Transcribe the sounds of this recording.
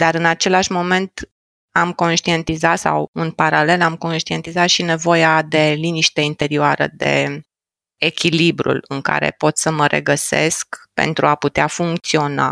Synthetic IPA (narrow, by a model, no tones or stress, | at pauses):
d̪̥aɾɨnat͡ʃe̞laʃmo̞me̞nt̪ | amko̞nʃt̪ie̞nt̪izat̪sa̰wunpaɾale̞lamko̞nʃt̪ie̞nt̪izat̪ʃine̞vo̞jad̪e̞liniʃt̪eint̪e̞ɾioaɾə̰d̪e̞̰ | ekʲilibɾṵlɨŋka̰ɾe̞̰po̞t̪səməɾʔe̞̰ɡəse̞̰skpe̞̰nt̪ɾuaput̪eafuŋk̚t̪sio̞na̰